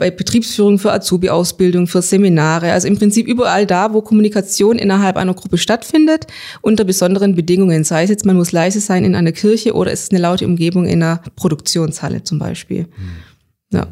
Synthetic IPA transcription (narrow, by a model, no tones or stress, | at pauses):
b̥aɪb̥ətʁ̥iːpsfyːʁ̞ʊŋfyːɐʔa̰t͡suːbiʔaʊsb̥ɪldʊŋfyːɐzeminaːʁ̞əʔalzoɪmpʁ̥ɪnt͡siːpʔyːbɐʔaldaːvoːkʰɔmunikat͡sjoːnʔɪ̰nɐɦalpʔa̰ɪnɐɡʁʊpəʃtatfɪndət | ʔʊntɐbəzɔndəʁənbədɪŋʊŋənzaɪəs̬jɛt͡smanmʊslaɪzəzaɪnɪnʔa̰ɪnɐkʰɪɐçəʔo̰ːɾɐɛ̰sɪ̥stnəlaʊtəʔʊmɡeːbʊŋʔɪ̰ndeɐpʁ̥odʊkt͡sjoːnsha̰lə̰t͡sʊmba̰ɪʃpḭːl | ja̰ː